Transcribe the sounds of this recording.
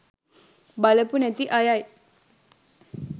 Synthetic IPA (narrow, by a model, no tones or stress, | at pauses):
baləpunet̪iʔajaj